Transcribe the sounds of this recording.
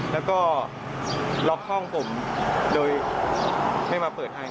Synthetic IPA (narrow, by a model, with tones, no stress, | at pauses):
lɛː˦˥wkɔː˥˩ | lɔ˦˥k̚hɔ˥˩ŋpʰo˩˦mdoː˧j | ha˥˩jmaː˧pɤː˨˩t̪̚ha˥˩j